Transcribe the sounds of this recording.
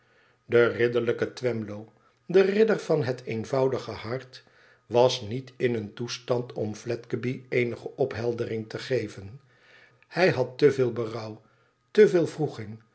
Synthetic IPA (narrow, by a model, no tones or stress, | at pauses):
dərɪdəɹləkətʋɛmlow | dərɪdərv̥ɑnɦətʰejnvɑwdəχəhɑɹt | ʋɑsnitɪnəntustɑntʰɔmflɛtkəbiejnəχəʔɔpɦɛlˠdərɪŋtəχejvən | hɛjɦɑtːəvɪːlˠbərʌw | təvɪːlˠvruχɪŋ